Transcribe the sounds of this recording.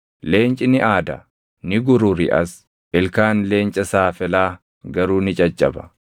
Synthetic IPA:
le̞ːnt͡ʃʼɪnɪʔaːd̪ɐ̰ | nɪɡʊɾʊɾɪ̰ʔɐs | ʔɪlkaːnle̞ːnt͡ʃʼɐsaːfɛlaː | ɡɐɾuːnɪt͡ʃʼɐt͡ʃʼːɐ̰bɐ̥̰

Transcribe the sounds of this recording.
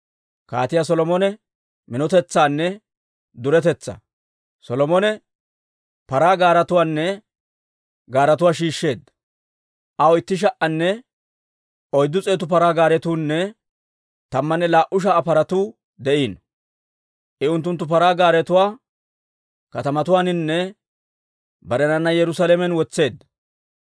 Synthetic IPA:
ka̰ːt̪ɪjas̬ɔlɔmɔnɛ | mɪnɔt̪ɛt͡sːaːnːɛ | d̪ʊɾɛt̪ɛt͡sːɐ̰ | sɔlɔmɔnɛ | pɐɾaːɡaːɾɐt̪ʊwaːnːɛ | ɡaːɾɐt̪ʊwaːʃiːʃːe̞ːd̪ɐ | ʔɐwɪt̪ːɪʃ̬ɐʔɐnːɛ | ɔjd̪ːʊt͡sʼeːt̪ʊpɐɾaːɡaːɾɛt̪uːnːɛ | t̪ɐmːɐnːɛlaːʔʊʃ̬ɐːpɐɾɐt̪uː | d̪ɛʔiːn | ʔɪʊnt̪ːʊnt̪ːʊpɐɾaːɡaːɾɛt̪ʊwaː | kɐt̪ɐmɐt̪ʊwaːnɪnːɛ | bɐɾɛnɐnːɐjɛɾʊsaːlemɛnwɔt͡sːe̞ːd̪ːɐ

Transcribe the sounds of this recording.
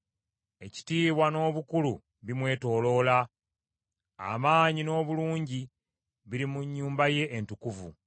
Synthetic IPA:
eci̥tiːβwano̞ːβukulu | βimwe̞ːto̞ːlo̞ːla | a̰maːɲino̞ːβuluːɲɟi | βiɾimuɲːuːmbaje̞ʔentukuvṵ

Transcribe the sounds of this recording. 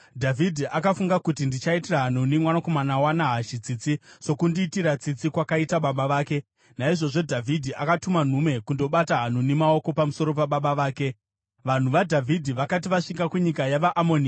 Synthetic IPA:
dʱavʱidʱiʔakafuŋɡakutindit͡ʃaitiraɦan̤unimwanako̞manawanaɦaʃit͡sit͡siso̞kundiːtiɾat͡sit͡sikwakaitaɓaɓaʋaːke̞ | naiʐo̞ʐo̞dʱavʱidʱiʔakatuman̤ume̞kundo̞ɓataɦan̤unimao̞ko̞pamuso̞ɾo̞paɓaɓaʋaːke̞ | ʋan̤uʋadʱavʱidʱiʋakat̬iʋaʂikɡakuɲikajaʋaʔamo̞ːni

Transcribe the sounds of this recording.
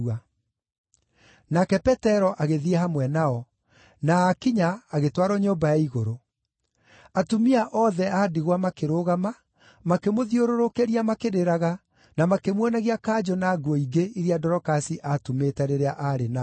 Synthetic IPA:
a | nakɛpɛtɛɾɔʔaɣeðiɛɦamwɛnaɔ | naːkiɲaːɣetwaɾɔɲoːmbajaiɣoɾo | atomiaʔɔðɛʔadiɣwamakeɾoːɣama | makemoðioɾoɾokeɾiamakeɾeɾaɣa | namakemwɔnaɣiakaːd͡ʒɔnaːɡwɔiɡeiɾiadɔɾɔkasiʔatometaɾeɾeaʔaɾena

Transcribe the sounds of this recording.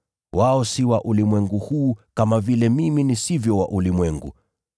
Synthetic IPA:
waɔsiwaʔulimwɛŋɡuhuːkamavilɛmiminisivjɔwaʔulimwɛŋɡṵ

